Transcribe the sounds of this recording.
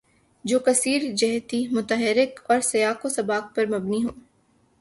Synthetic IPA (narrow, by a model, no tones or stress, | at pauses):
d͡ʒoːkɐsiːɾd͡ʒɛɦt̪imʊt̪əɦɪɾɪkɔːɾsɐjaːkosɐbaːk̚pɐɾmɐbniɦoː